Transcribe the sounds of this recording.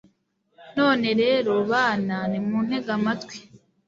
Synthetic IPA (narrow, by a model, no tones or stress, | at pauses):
no̞ːne̞ɾe̞ːɾo̞βaːnanimuːn̥he̞ɡamatwi̥